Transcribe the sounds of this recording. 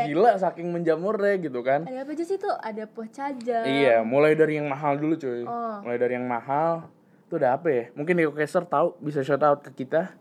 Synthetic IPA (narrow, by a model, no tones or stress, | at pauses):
ɡilaʔsakɪŋməɲd͡ʒamuɾɛɡit̪ukanadapad͡ʒusit̪uadapəht͡ʃad͡ʒaijamulajdaɾijaŋmaɦaldulut͡ʃomulajdaɾijaŋmaɦal | t̪uadaapajamuŋkɪnikokɛsərt̪aubis̬at͡ʃat̪aʊt̪̚kəkit̪a